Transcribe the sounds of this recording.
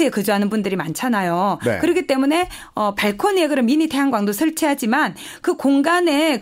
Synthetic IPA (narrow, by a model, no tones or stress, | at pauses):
ɯekɯd͡ʑoɦanɯnbundɯɾimant͡ɕʰanajo̰kɯɾʌɡit͈e̞mune̞ | ʌpaɭkʰʌnjeɡɯɾɯminitʰeɦaŋɡwaŋdosʰɯɭt͡ɕʰiɦad͡ʑiman | kɯkoŋɡane̞